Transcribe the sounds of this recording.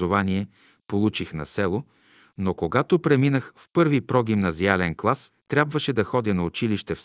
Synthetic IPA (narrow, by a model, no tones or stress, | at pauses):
ovaniɛ | polˠut͡ʃixnɐ̰sɛlˠo | nokoɡat̪opɾɛminəxfpɤɾvipɾɔɡʲimnɐzialɛnklˠast̪ɾʲabvɐʃɛd̪ɐxɔd̪ʲənɐʊt͡ʃiliʃt̪ɛf